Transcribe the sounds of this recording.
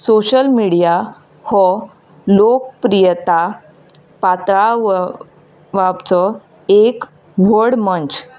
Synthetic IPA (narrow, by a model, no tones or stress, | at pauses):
soɕəlmiɽija | hɔ | lok̚pɾijət̪a | pat̪ɾa | ʋabt͡sɔ | ek | ʋəɾɽmənt͡ɕ